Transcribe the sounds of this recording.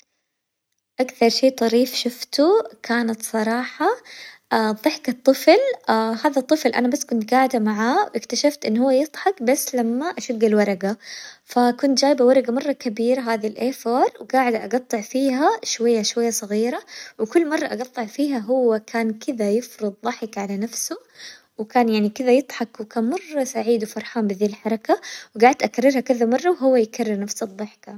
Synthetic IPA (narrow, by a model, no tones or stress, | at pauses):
ʔakθɑɾˤʃeːt̪ˤɑɾiːfʃʊft̪ukʰaːnat̪sˤɑɾˤɑːħɑʔaðˤɨħkɨt̪ˤːɨflahaːðat̪ˤːɨflʔa̰nabasːkʊnt̪ɡaːʕɪd̪amaʕaːwʔɪkt̪aʃaft̪ʔɪnːhʊwːajɨt̪ˤħɑkbasːlamːaʔaʃaɡːɪlwɑɾˤɑɡafakʊnt̪̚d͡ʒaːjbawɑɾˤɑɡamɑrˤːɑkabiːɾaɦaːðilʔeːfɑːɾˤwɪɡaːʕɪd̪ʔɑ̰ɡɑt̪ˤːɨʕfiːɦaʃwajːaʃwajːasˤɨɣiːɾawkʊlːmɑrˤːɑʔɑɡɑt̪ˤːɨʕfiːɦaɦʊwːakʰaːnkɪðajɪfɾɨd̪ˤðˤɑħɪkʕalanafsʊ | wɪkaːnjaʕnikɪðajɨt̪ˤħɑkwkaːnmɑrˤːɑsaʕiːd̪wfɑɾˤħaːmbɪðiːlħɑɾˤɑkawɡaːʕɪd̪ʔakarˤːɪɾhakɪðamɑrˤːɑwɦʊwːajkarːɪɾnafsɨd̪ˤːɑħka